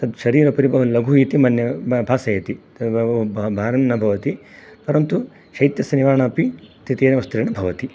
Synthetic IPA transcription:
t̪ɐd̪ʃɐɾiːɾɐpɐɾibɐʋɐlɐɡʱuiːt̪imɐnjɐbʱaːsɐjɐt̪i | ɐbbʱaːɾɐnnɐbʱɐʋɐt̪ipɐɾɐnt̪u | ʃɐjt̪jɐsɐniʋaːɳaːpit̪it̪eːnɐʋɐst̪ɾiːɳɐbʱɐʋɐt̪i

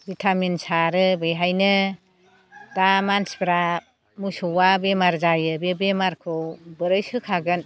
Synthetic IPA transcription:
bitʰamensaɾɯbɯjɦajnɯ | damansbɾa | musɔwabemaɾzajɯbebemaɾkʰɯwbɯɾɯjsɯkʰaɡɯn

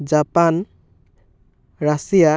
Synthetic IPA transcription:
d͡ʒapan | ɹasija

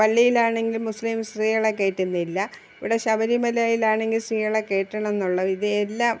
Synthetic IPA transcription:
pɐlːijilaːɳe̞ŋɡilmuslimsriːjɐɭekːe̞ːʈːunːilːɐ | iʋiɽeɕɐbɐɾimɐlaːjilaːɳe̞ŋɡilsriːjɐɭekːe̞ːʈːɐɳɐme̞nːuɭːɐʋiðɨelːaːm

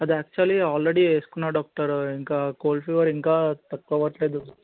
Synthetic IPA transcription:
ɐd̪iæːk̚t͡ʃuɐliaːlɾeɽieːsu̥kunːaːɖaːk̚ʈɐɾiŋkaːkoːlfiʋɐɾiŋkaːt̪ɐkːɐʋɐʈleːd̪u

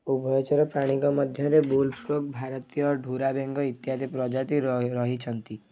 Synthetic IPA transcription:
ubʱɔjɔt͡ʃɔɾɔpɾaɽ̃ikɔmɔd̪ʱjɔɾebulpɾok̚bʱaɾt̪ijɔɾɖʱuɾabeŋɡɔit̪jad̪ipɾɔd͡ʒat̪iɾɾɔɦit͡ʃʰənt̪i

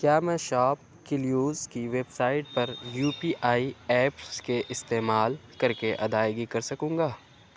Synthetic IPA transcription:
kjaːmɛ̃ːʃaːp̚ | kɪljuːzkiʋeːbsaːɪʈ̚pɐɾjuːpiːʔaːiɛːpskeʔɪst̪eːmaːlkɐɾkeʔɐ̰d̪aːjɡikɐɾsɐkũːŋɡaː

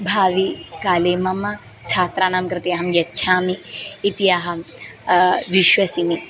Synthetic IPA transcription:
bʱaːʋikaːleːmɐmɐ | t͡ʃʰaːt̪ɾaːnaːmkɾɨt̪jaːɦɐmjɐtːʃʰaːmiːt̪ijaːɦɐ | ʋiʃʋɐsimi

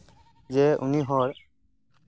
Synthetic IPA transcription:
zɛṵniɦɔɾ

